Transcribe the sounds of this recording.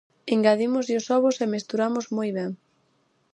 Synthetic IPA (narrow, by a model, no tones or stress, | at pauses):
iŋɡaðimʊzʎʊsɔβʊsemest̪uɾamʊzmojβɛŋ